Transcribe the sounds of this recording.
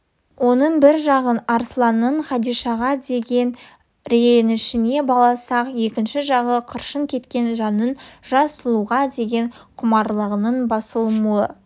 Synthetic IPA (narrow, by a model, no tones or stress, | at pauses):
wo̞nəɴbɪɾʒɑʁənɑɾslˠɑnəɴχɑd̪ijʃɑʁɑd̪e̞ɡʲe̞n | ɾeenɪʃɪne̞bɑlˠɑsɑqje̞kʲɪnʃɪʒɑʁəqʰəɾʃəŋkʲʰe̞t̪kʲe̞nʒɑnənʒ̥ɑsəlˠuʁɑd̪e̞ɡʲe̞ɴqʰʊmɑɾlˠəʁənəɴbɑsəlˠmuə